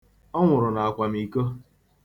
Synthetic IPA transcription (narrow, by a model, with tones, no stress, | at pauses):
ɔ˦ŋʷʊ˨ɾʊ˨na˨a˨kʷa˨m̩i˨ko˦